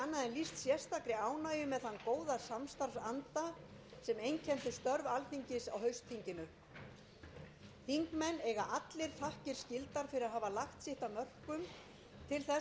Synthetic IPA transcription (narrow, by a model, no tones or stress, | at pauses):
anːaðɛnlist̪sjɛst̪akɾɪaːwnaːjʏmɛðθankoːwðasamst̪aɾsant̪a | sɛmejncʰɛnt̪ʏst̪œɾvalθiɲcɪsawɦœɥst̪θiɲcɪnʏ | θiŋkmɛnːɛɣaʔat̪lɪɾ̥θahcɪɾ̥scɪlt̪aɾ̥fɪɾɪɾaɦaːvalaxt̪sɪht̪amœr̥kʏm | t̪ʰɪlθɛ